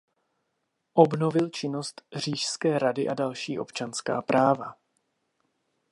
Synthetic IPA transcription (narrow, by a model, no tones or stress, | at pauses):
ʔo̞bno̞vɪlt͡ʃɪno̞st̪r̝̥iːʃskɛːɾadɪʔadalʃiːʔo̞̰pt͡ʃanska̰ːpɾʔaːva